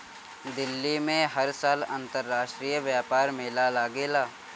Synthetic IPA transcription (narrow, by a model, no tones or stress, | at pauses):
d̪ɪlːimẽɦɐɾsaːlə̰̃nt̪əɾːaːʃʈɾijəʋjaːpaːɾmɪlalaːɡeːlaː